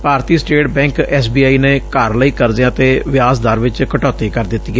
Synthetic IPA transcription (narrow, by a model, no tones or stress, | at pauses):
paːɾt̪iːsʈeːʈ̚bɛ̃ːŋkɛːsbiːaːiːneːkaːɾləiːkəɾd̪ɪãːt̪eːʋɪaːsd̪aːɾʋɪt͡ʃkəʈɔːt̪eːkəɾd̪ɪt̪ːiːɛ